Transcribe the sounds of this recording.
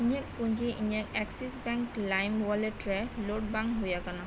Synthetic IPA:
inakpund͡ʒiʔiniakɛksisbɛŋklajmwaleʈɹɛloʈ̚baŋɦojakana

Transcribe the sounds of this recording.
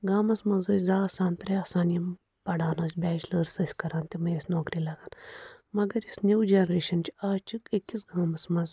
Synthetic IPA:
ɡaːmɐsmɐzɐsʲzaːsaːnt̪ɾeaːsaːnijɐm | pɐɽaːnɐsʲbʲɛːt͡ʃləːɾsɐsʲkɐɾaːnt̪imɐ̃ɐsnoːkɾilɐɡaːnmɐɡɐɾisnʲuːd͡ʒenɾeːʃɐnt͡ʃaːt͡ʃikekisɡaːmɐsmɐz

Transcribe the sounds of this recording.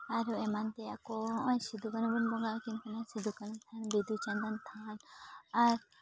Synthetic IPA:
aɾemant̪eakɔɔ̃jsid̪ʱukanubunbɔɡakinkanasid̪ʱukanut̪ʰanbid̪ʱut͡ʃand̪ant̪ʰanaɾ

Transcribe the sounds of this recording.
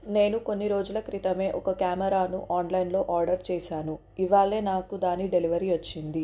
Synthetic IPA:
ne̞ːnuko̞nːiɾo̞ːd͡ʒulɐkɾit̪ɐme̞ːʔɔkɐkjaːmɐɾaːnṵʔaːnlɐjnlo̞ːʔaːɾɖɐɾt͡ʃɛːʃaːnu | iʋaːɭːe̞ːnaːkud̪aːniɖe̞liʋɐɾiʋɐt͡ʃːind̪i

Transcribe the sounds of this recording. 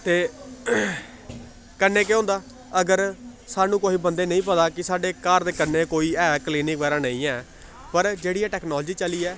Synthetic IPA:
t̪eː | kənːeːkeõːnd̪aː | əɡəɾsaːnũːkoːiːbənd̪eːnə̃ĩːpət̪aːkɪsaːɖeːkaːɾd̪eːkənːeːkoːiːɛːkliːnɪk̚bɛːɾãːnəːĩːɛː | pəɾd͡ʒeːɽiːɛːʈɛːknɔːld͡ʒiːt͡ʃəliːɛː

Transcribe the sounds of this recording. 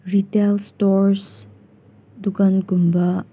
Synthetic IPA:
ɾitelstɔɾs | d̪ukɐnɡumba

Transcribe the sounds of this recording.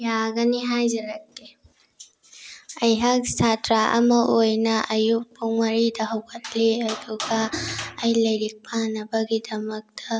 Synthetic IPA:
jaɡɐniɦajzɐɾɐkːe | ɐjɦaksatɾaʔɐ̰mɐʔojnɐʔɐjuk̚puŋmɐɾidɐɦɐwkʰɐtʰleɐd̪uɡaːjlɐjɾik̚pʰanɐbɐɡidɐmɐk̚t̪ʰɐ

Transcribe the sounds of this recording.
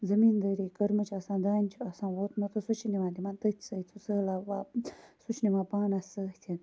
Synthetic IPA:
zɐmiːnd̪ɐɾikɐɾmɐt͡ʃʰasãːd̪aːnʲt͡ʃʰuasãːʋoːt̪mɐt̪ɨsut͡ʃʰiniʋãːd̪imãːnt̪ɐt̪ʰʲsəjt͡sʰusəlaʋaːsut͡ʃʰnimaːpaːnasəht̪ʲʰen

